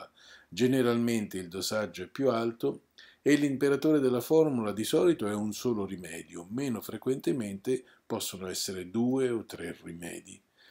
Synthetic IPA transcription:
a | d͡ʒeneɾalment̪eild̪ozad͡ʒːoɛpːjualt̪o | elːimpeɾat̪oːɾed̪elːafɔrmulad̪isɔːlit̪oɛunsoːlorimɛːd̪jomeːnofɾekwent̪ement̪e | pɔsːonoɛsːeɾed̪uːeot̪ːɾerimɛ̰ːd̪i

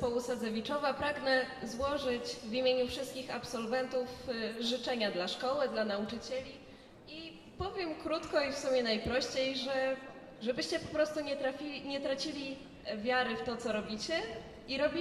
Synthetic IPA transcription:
pɔwusazɛvʲit͡ʂɔvapɾaɡnɛzwɔʐɘt͡ɕvimʲjeɲufʂɘst̪̚kʲixapsɔlvɛnt̪ufʐɘt͡ʂɛɲad̪laʂkɔwɘd̪lanaut͡ʂɘt͡ɕɛlʲi | i | pɔvʲjɛmkɾut̪kɔifsumʲjɛnajpɾɔɕt͡ɕejʐɛ | ʐɛbɘɕt͡ɕɛpɔpɾɔst̪uɲɛt̪ɾafʲiɲɛt̪ɾat͡ɕilʲi | vʲjaɾɘft̪ɔt̪sɔɾɔbʲit͡ɕɛ | iɾɔbʲi

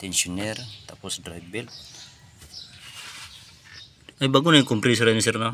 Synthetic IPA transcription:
t̪ɛnsiɔnɛrt̪apɔsdrajbɛl | ajbaɡunaikɔmpɾis̬ɾanis̬ɛrna

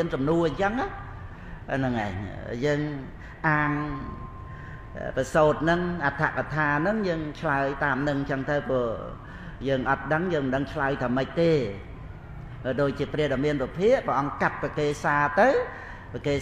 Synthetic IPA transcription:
ənsɑmnuəɲt͡ɕəŋah | anɨŋʔaɛɲjəːŋ | ʔaːŋ | pəsoːt̪̚nɨŋʔat̪ʰa̰ʔkat̪ʰaːnɨŋjəːŋt͡ɕʰlaəjt̪aːmnɨŋɲt͡ɕəŋt̪ɨwpɔː | jəːŋʔɑt̪̚ɗəŋjəːŋməɗəŋt͡ɕʰlaəjt̪ʰəəmɨc̚t̪eː | pəɗoːc̚t͡ɕiəprɛəɗɑmiənpəpʰiəʔpəʔɑŋkat̪̚pakeːsaːt̪ɨw | pəkeː

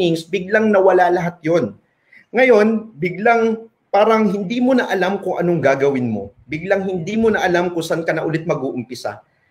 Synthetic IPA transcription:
ɪŋsbɪɡ̚laŋnɐwɐlalɐɦat̪̚jo̞n | ŋɐjo̞nbɪɡlaŋ | paːɾɐŋɦɪnd̪iːmonɐʔɐlamkʊŋʔɐ̰noŋɡaːɡɐwɪnmo̞̰bɪɡlaŋɦɪnd̪iːmonɐʔɐlamkʊŋsankɐnɐʔʊlɪt̪̚mɐɡʊːʔʊmpɪsa̰

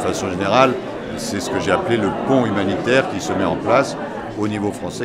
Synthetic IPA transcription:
fasɔ̃ʒeneʁal | sɛsə̥kəʒeapleləpɔ̃ymanit̪ɛʁkʲisəmɛɑ̃plas | onivofχɑ̃sɛ

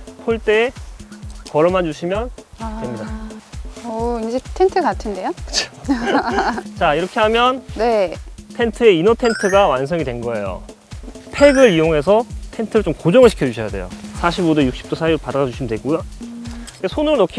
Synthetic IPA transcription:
pʰoɭt͈e̞ː | kʌɾʌmɦad͡ʑuɕʰimjʌn | wemɲida | ʌind͡ʑetʰentʰɯkatʰɯnde̞jokɯ̥t͡ɕʰo̥ | t͡ɕaiɾʌkʰe̞ɦamjʌnne̞tʰe̞ntʰɯe̞inotʰe̞ntʰɯɡawans̬ʰʌŋidwe̞nɡʌe̞jo̰ | pʰe̞ɡɯɾijoŋɦe̞sʰʌtʰe̞ntʰɯɾɯɭt͡ɕomkod͡ʑʌŋɯɭɕʰi̥kʰjʌd͡ʑuɕʰʌjade̞̰jo̰sʰaɕʰibodojuk̚ɕ͈i̥p̚t͈osʰaiɾoɭpadaɡad͡ʑuɕʰimndwek͈ona | kesʰonɯɾonʌkʰi

